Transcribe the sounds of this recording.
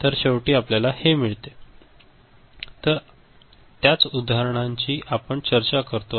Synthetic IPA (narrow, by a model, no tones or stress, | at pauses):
t̪əɾɕəwʈiːapljalahemiɭt̪e | t̪əɾ | t̪jat͡sud̪ʱaɦɾəɳ̃aɲt͡ɕiːʔapəɳt͡ɕəɾt͡ɕakəɾt̪o